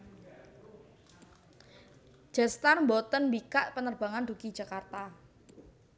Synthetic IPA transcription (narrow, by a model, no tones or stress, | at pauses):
d͡ʒ̥ɛst̪armbɔt̪ənmbikaʔpənərb̥a̤ŋand̥̪uki̥d͡ʒʒ̥a̤kart̪a